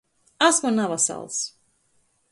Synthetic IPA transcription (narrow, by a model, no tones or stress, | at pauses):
asmunavasa̰lˠs